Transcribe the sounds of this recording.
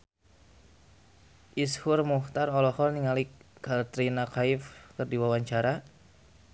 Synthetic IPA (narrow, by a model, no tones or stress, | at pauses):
ʔishʊrmuht̪arɔlɔhɔrniŋalikːart̪ɾinakaɪfkərdiwawaɲt͡ʃaɾa